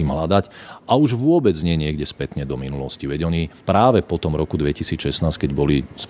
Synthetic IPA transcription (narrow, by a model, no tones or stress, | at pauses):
iːmɦlad̪acauʒʋʊɔbɛd͡zɲɪɛɲɪɛɡɟɛspɛt̪ɲɛd̪ɔminulɔsciʋɛɟɔɲipɾaːʋɛpɔt̪ɔmɾɔkud̪ʋɛcisiːt͡sʃɛsnaːsckɛɟbɔlis